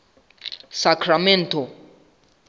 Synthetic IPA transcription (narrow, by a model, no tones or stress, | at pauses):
sakʰɾament̪o